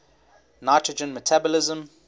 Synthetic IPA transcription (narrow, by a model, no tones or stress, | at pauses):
naɪtʰɹəd͡ʒə̃nmətʰabɔlɪzə̃m